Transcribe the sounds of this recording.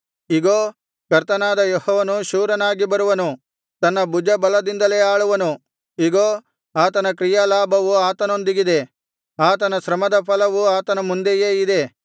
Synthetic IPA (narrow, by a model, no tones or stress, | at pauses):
iɡoː | kɐɾt̪ɐnaːd̪ɐjohɔːʋɐnuʃuːɾɐnaːɡibɐɾuʋɐnu | t̪ɐnːɐbud͡ʒɐbɐlɐd̪ind̪ɐleaːɭuʋɐnu | iɡoː | aːt̪ɐnɐkɾijaːlaːbʱɐʋuaːt̪ɐnond̪iɡid̪e̞ | aːt̪ɐnɐsɾɐmɐd̪ɐpʰɐlɐʋuaːt̪ɐnɐmund̪eje̞ːid̪e̞